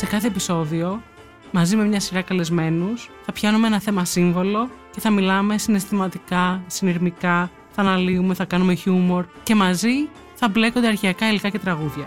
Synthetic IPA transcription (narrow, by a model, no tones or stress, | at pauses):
se̞kɐθe̞ːpiso̞ðio̞ | mɐzime̞mɲɐsiɾɐkɐle̞zme̞nusθɐpçɐnumeenɐθe̞mɐsiɱvo̞lo̞ce̞θɐmilɐme̞sine̞st̪imɐt̪ikɐsiniɾmikɐ | θɐːnɐliume̞θɐkɐnume̞çumo̞ɾce̞mɐzi | θɐble̞ko̞nd̪e̞ɐɾçeɐkɐilikɐce̞t̪ɾɐɣuðʝɐ